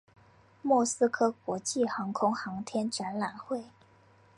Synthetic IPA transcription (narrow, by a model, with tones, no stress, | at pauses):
mwɔ˥˩sɹ̩˥kʰɤ˥kwɔ˧˥t͡ɕi˥˩xɑ˧˥ŋkʰʊ˥ŋxɑ˧˥ŋt̪ʰjɛ˥nʈ͡ʂa˧˥nla˨˩nxwe˥˩ɪ